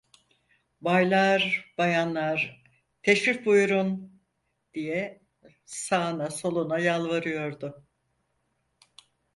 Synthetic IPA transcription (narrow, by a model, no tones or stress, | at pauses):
bajlˠaɾbajanlˠaɾ | t̪ʰeʃɾifbujuɾun | d̪̥ijɛ | saːnaso̞lˠunajalˠvaɾɯjo̞ɾd̪ʊ